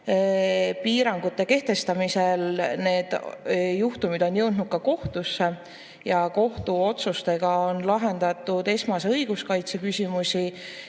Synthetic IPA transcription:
piːɾɑŋɡ̥ut̪ˑːe̞ke̞ht̪e̞st̪ɑmise̞lne̞ːd̪̥juht̪umid̪o̞njɤ̞wd̪nud̪̥̚kɑko̞ht̪usːe | jɑko̞ht̪uo̞t̪sust̪e̞ɡ̥ɑo̞nlɑɦe̞nd̪̥ɑt̪ːˑud̪e̞smɑseɤ̞jɡ̥uskɑjt̪sekysʲimusʲi

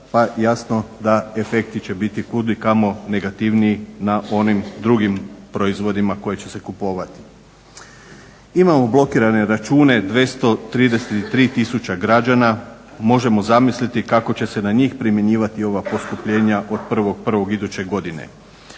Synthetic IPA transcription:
pajasno̞d̪ae̞fe̞k̚t̪it͡ɕe̞bit̪ikud̪likamo̞ne̞ɡat̪iʋniinaʔo̞nimd̪ɾuɡimpɾo̞izʋo̞d̪imako̞jet͡ɕe̞se̞kupo̞ːʋat̪i̥ | imamo̞blˠo̞kiːɾane̞ɾat͡ʃuːne̞d̪ʋe̞st̪o̞t̪ɾiːd̪e̞set̪it̪ɾiːt̪isut͡ɕaɡɾad͡ʒana | mo̞ʒe̞mo̞zamislit̪ikako̞t͡ɕe̞se̞naɲiːxpɾimjeɲiːʋat̪io̞ʋapo̞skupʎe̞ːɲaʔo̞d̪̥pr̩ʋo̞ɡ̚pr̩ʋo̞ɡid̪ut͡ɕe̞ɡo̞d̪inḛ

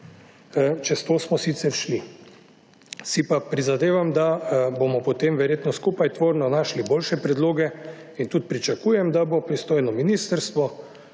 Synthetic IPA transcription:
t͡ʃɛst̪oːsmɔsit̪sɛɾʃli | sipapɾizad̪eːʋamd̪abomɔpɔt̪emʋɛɾjeːt̪nɔskuːpajt̪ʋoːɾnɔnaːʃliboːlʃɛpɾɛd̪loːɡɛint̪ut̪̚pɾit͡ʃakuːjɛmd̪abopɾist̪oːjnɔminiːst̪əɾst̪ʋɔ

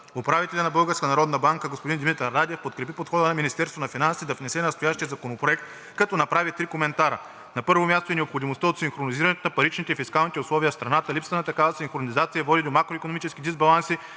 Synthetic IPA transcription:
ʊpɾavit̪ɛlʲɐnɐbɤlˠɡəɾskənɐɾɔd̪nɐbaŋkəɡospod̪ind̪imit̪ːad̪ɛfpot̪kɾɛpipot̪xɔd̪ənɐminist̪ɛɾst̪vonɐfinansid̪ɐvnɛsɛnɐst̪ojaʃt̪ijəzɐkonopɾoɛkt̪ | kɐt̪ɔnɐpɾavit̪ɾikomɛnt̪aɾə̰ | nɐpɤɾvomʲjast̪oɛnɛopxod̪imost̪əot̪siŋxɾoniziɾɐnɛt̪onɐpɐɾit͡ʃnit̪ɛfiskalˠnit̪ɛʊslˠɔviəfst̪ɾɐnat̪əlipsvɐnɐt̪ɐkavəsiŋxɾonizat̪siəvɔd̪id̪omakɾoikonomit͡ʃɛskid̪izbɐlˠansi

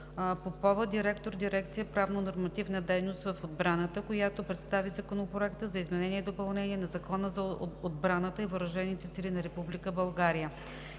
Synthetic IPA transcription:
popɔvəd̪iɾɛkt̪oɾd̪iɾɛk̚t̪sijəpɾavnonoɾmɐt̪ivnəd̪ɛjnost̪vɐfod̪̚bɾanət̪əkojat̪opɾɛt̪st̪avizɐkonopɾoɛkt̪əzɐizmɛnɛniɛd̪opɐlˠnɛniɛnɐzɐkɔnəzɐod̪̚bɾanət̪əivoɾɐʒɛnit̪ɛsilinɐɾɛpublikəbɐlˠɡaɾijə

